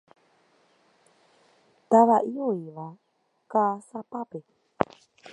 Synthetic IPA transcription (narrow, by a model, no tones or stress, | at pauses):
t̪aβaʔioiβa | kasapape